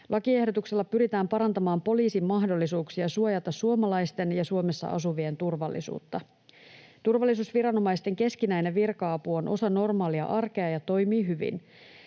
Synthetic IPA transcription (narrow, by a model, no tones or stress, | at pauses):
lʔɑkie̞hdo̞t̪ukselːɑpyɾit̪æːmpɑɾɑnt̪ɑmɑːmpo̞liːsimmːɑɦdo̞lːisuːksiɑsuojɑt̪ɑsuomɑlɑjst̪e̞njɑsuomesːɑ̰ʔɑ̰suʋie̞nt̪urʋɑlːḭsṵːt̪ːɑ | t̪urʋɑlːis̬uːsʋiɾɑno̞mɑist̪e̞ŋke̞skinæjneʋirkɑɑpuo̞nʔo̞sɑno̞rmɑːliɑ̰ʔɑrke̞ɑjɑt̪o̞jmiːɦyʋḭn